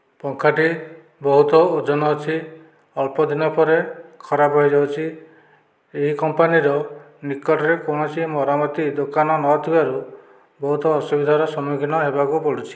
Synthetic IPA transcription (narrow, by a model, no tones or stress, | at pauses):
pɔŋkʰaʈi | bɔɦut̪ɔod͡ʒɔnɔːt͡ʃʰi | ɔɭpɔd̪inɔpɔɾekʰɔɾapɦɔjd͡ʒawt͡ʃʰi | eɦikɔmpaniɾɔ | nikɔʈɔɾekonɔt͡ʃʰimɔɾamɔt̪id̪okanɔnɔt̪ʰibaɾu | bɔɦut̪ɔːsubid̪ʱaɾɔsɔmikinɔɦebakupɔɽut͡ʃʰi̥